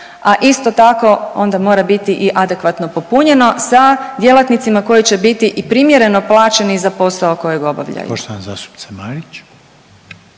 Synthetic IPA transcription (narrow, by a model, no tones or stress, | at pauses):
aʔist̪o̞t̪ako̞o̞̰nd̪amo̞ːɾabit̪iʔiʔad̪e̞kʋat̪no̞po̞puɲe̞no̞sad̪je̞lˠat̪nit̪simako̞jit͡ɕe̞bit̪iʔipɾimje̞ɾe̞no̞plˠaːt͡ʃe̞nizapo̞sao̞ko̞jeɡo̞ba̰ʋʎa̰jṵoʃt̪oʋanzaːst̪u̥pt͡ssemaɾit͡ʃ